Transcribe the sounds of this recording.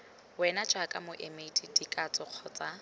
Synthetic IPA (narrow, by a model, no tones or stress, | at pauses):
wɛnad͡ʒakʼamʊʔemeitʼidikʼat͡sʼɔq͡χʰɔːt͡sʼa